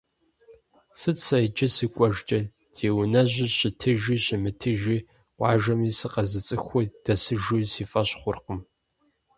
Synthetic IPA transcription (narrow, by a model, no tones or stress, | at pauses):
sɨt͡sʰɐjd͡ʒʼɪsɨkʷʼɔʒt͡ʃʼɐ | d̥ʰeːwnɐʑɪɕɪtʰɨʒiːɕɪmɨtʰɨʒiː | qʷʼɑːʒɐmiːsɨqɐzɨt͡sʼɨxʷʊd̥ɐsɨʒusiːfɐɕχʷʊrqəm